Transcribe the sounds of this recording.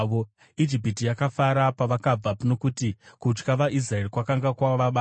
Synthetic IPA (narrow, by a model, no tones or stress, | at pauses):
ʋo | id͡ʒipitijakafaɾapaʋakab͡vapuno̞kutikut͡ʃkaʋaʔis̬raerikwakaŋɡakwaoʋaɓaː